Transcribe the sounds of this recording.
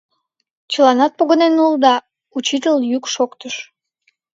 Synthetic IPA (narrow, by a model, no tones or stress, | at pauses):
t͡ɕəlɑnɑt̪̚poɣənenuld̪ɑ | ut͡ɕit̪əljykʃokt̪əʃ